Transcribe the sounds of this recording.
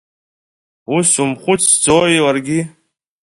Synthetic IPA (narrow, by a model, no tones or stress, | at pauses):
usumχʷʊt͡sʰsd͡zojilarɡʲi